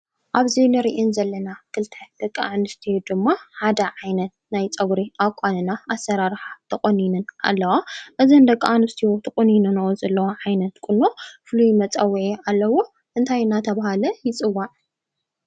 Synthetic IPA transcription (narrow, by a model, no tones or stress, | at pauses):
ʔaβzinɨɾiʔinzɐlːɐnakʰɨlt̪ʰɐd̪̥ɐkʼːanɨst̪ʰijod̪ɨmːaħad̪ɐʕajnɐt̪̚najt͡sʼɐɡɾiʔakʷʼːanɨnaasːɐɾaɾħat̪ʰɨkʼɐninɨna̰lːɐwaʔɨzɐnd̪ɐkʼːanɨst̪ʰijot̪ʰɐkʼɐninɨnozɐlːɐwoʕajnɐt̪kʼɨnːofɨlujmɐt͡sʼɐwːʕiʔalːɐwo | ʔɨnt̪ʰajɨnat̪ʰɐβahalɐjɪt͡sʼɨwːaʕ